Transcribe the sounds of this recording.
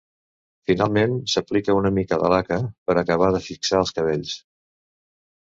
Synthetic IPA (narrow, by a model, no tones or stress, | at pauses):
finalˠmensəplikəunəmikəðə̰lakəpəɾəkəβ̞aðəfiksaəlˠskəβeʎs